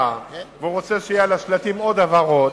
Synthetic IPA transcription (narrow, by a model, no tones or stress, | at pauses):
aveuʁot͡se̞ʃejialaʃlat̪imo̞d̪avaʁo